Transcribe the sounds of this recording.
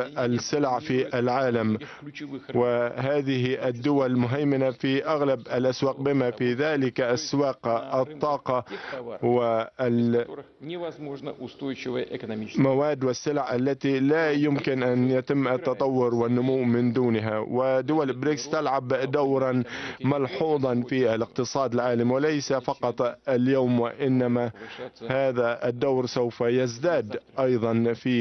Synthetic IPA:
ʔalsɪlʕfiʔalʕaːlam | wɪɦaːðɪɦɪʔad̪ːʊwalmʊɦajːɪnafiʔaɣlabalʔaswaːq̚bɪmafiðaːlɪkʔaswaːqɑt̪ˤːɑːqɑwɪ | monʊst̪ojt͡ʃɪvəɪk̪mawaːd̪ːwɪsːɪlʕʔalːat̪ilajʊmkɪnʔanjat̪ɪmːʔat̪ːɑt̪ˤɑwːʊɾwɪnːʊmʊwːmɪnd̪uːnɦawɪd̪ːʊwalbɾɪkst̪alʕabd̪awɾˤɑnmɑlħuːd̪ˤɑnfiʔalɪq̚t̪ɨsˤɑːd̪ɪlʕaːlamwɪlajsafɑqɑt̪ˤaljaːmwɪʔɪnːamahaːðaʔɪd̪ːawɾsawfajazd̪aːd̪ʔɑjðˤɑnfiː

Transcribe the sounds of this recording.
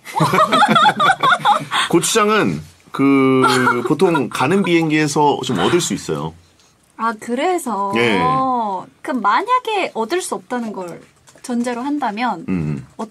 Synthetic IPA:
kot͡ɕʰud͡ʑaŋɯn | kɯ | potʰoŋkanɯnbienɡeesʰʌt͡ɕomʌ̰dɯɭs͈uis͈ʌ̰jo̰ | akɯɾe̞sʰʌje̞ | kɯmːaɲaɡe̞ʔʌdɯɭs͈uʌp̚t͈anɯnɡʌɭ | t͡ɕʌnd͡ʑe̞ɾoɦandamjʌnʌ

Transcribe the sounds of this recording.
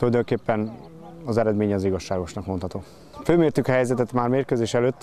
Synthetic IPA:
t̪olɒjd̪oŋkeːpːɛn | ɒzɛɾɛd̪meːɲɛɒziɡɒʃːaːɡo̞ʃnɒkmonhɒt̪oː | føːmeːrt̪ykhɛjzɛt̪ɛt̪maːrmeːrkøːzeːʃɛløːt̪ː

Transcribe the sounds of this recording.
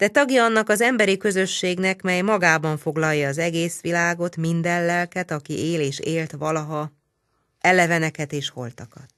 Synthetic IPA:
d̪̥ɛt̪ɒɡjɒɒnːɒkɒzɛmbɛɾikø̞zø̞ʃːeːɡn̪ɛkmɛjmɒɡaːbɒɱfo̞ɡlɒjːɒːzɛɡeːsʋilaːɡo̞t̪mind̪ɛlːɛlkɛt̪ɒkḭeːleːʃeːlt̪ʋɒlɒɦɒ | ɛlɛvɛnɛkɛt̪eːʃho̞̰lt̪ɒkɒt̪̚

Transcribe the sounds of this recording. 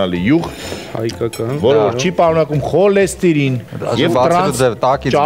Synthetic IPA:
ɑlijuʁt̪hɑ̰jkɑkɑnvɔɾɔvɔɾt͡ʃʰipɑɾunɑkumχɔlɛst̪iɾinjɛvɾɑd͡zɛvt̪ɑkit͡ʃɑ

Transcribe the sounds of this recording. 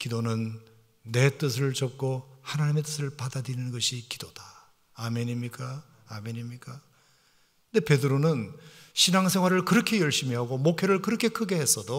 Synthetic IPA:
kidonɯnː | e̞t͈ɯs̬ʰɯɭt͡ɕʌp̚k͈ohanaɲime̞t͈ɯsʰɯɭpadadɾɯɾinɯnɡʌɕʰiki̥d̥od̥aː | meɲimɲik͈a | ameɲimɲik͈a | nde̞pe̞dɯɾonɯnɕʰinaŋsʰe̞ŋɦwaɾɯɭkɯɾʌkʰe̞jʌɭɕ͈imiɦaɡomokʰeɾɯɭkɯɾʌkʰe̞kʰɯɡe̞he̞s͈ʌdo

